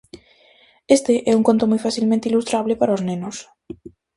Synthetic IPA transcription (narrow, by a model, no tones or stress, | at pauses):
est̪eʔɛuŋkont̪omojfaθilmẽnt̪eilust̪ɾaβlepaɾaoznẽnos